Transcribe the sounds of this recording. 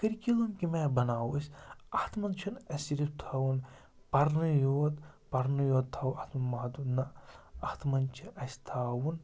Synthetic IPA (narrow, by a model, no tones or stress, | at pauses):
kɐɾkilunkimebɐnaːwusʲɐht̪ʰmɐnt͡ʃʰunɐsiɾip̚t̪ʰaːwun | pɐɾnɨjoːd̪ | pɐɾnɨjoːd̪̚t̪ʰːaːwɐht̪ʰmɐnmaːd̪unɐɐht̪ʰmɐnt͡ʃʰiʔɐsʲt̪ʰaːwun